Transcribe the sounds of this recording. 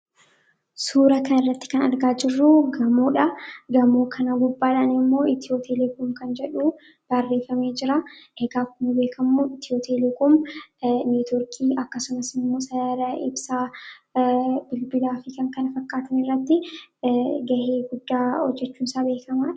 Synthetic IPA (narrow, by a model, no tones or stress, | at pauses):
suːɾɐkʰɐnɪrːɐt̪ːɪ̥kɐnɐɾɡaːd͡ʒɪrːʊɡɐmuːᶑɐɡɐmoːkʰɐnɐɡʊbːaːᶑɐnɪmːo̞ːɪt̪ɪoːt̪elɛkʊmkɐnd͡ʒɛᶑuː | b̥ɐrːe̞ːfɐmeːd͡ʒɪɾaʔeɡaːkʊmɐbe̞ːkʰɐmːuɪt̪ʰɪoːt̪eːlekʊm | niːt̪ɔɾkʰiːʔɐkːɐsʊmɐsɪmːoːsɐjaːɾɐʔɪbsaː | bɪlbɪlaːfɪkɐŋkɐnɐfɐkːaːt̪ɐnɪrːɐt̪ːɪ | ɡɐheːɡʊd̪ːaːhɔd͡ʒːɛt͡ʃːuːnsaːbe̞ːkʰɐmaːᶑɐ̥